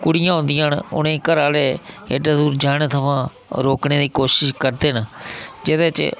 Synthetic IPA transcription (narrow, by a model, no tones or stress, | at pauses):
kʊɽɪjãːɦʊ̃nd̪ɪjãːnʊ̰nẽːkəɾaːleːeɖaːd̪uːɾd͡ʒaːɽ̃eːt̪ʰəmãː | ɾoːkneːd̪iːkoːʃɪʃkəɾd̪eːnəd͡ʒɪd̪eːt͡ʃ